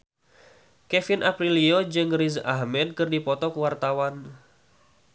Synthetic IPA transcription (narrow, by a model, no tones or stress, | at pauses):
kɛfinʔapɾiliod͡ʒɨŋrizahmɛd̪̚kɨrdipɔt̪ɔkəwart̪awan